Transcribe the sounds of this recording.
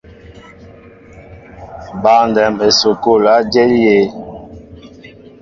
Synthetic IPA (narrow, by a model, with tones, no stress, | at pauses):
ba˨ndɛ˨me˨so˨ko˦˨la˦d͡ʒe˦li˦je˦